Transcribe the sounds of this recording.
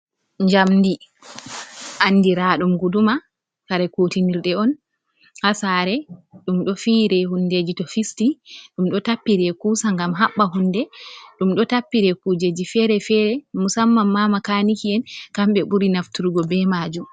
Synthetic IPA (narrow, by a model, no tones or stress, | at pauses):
ɲd͡ʒamdi | ʔanːdiɾaɗumɡuduma | kaɾɛkotiniɾɗɛɔn | hasaɾɛɗumɗɔfiːɾɛhunːded͡ʒitɔfistiɗumɗɔtapːiɾɛkuːsaŋɡamɦaɓːaɦunːdɛɗumɗɔtapːiɾɛkud͡ʒed͡ʒifɛɾɛfɛːɾɛmusamːamːamakaːnikiɛnkamɓɛɓuɾinaftuɾɡɔbɛmaːd͡ʒum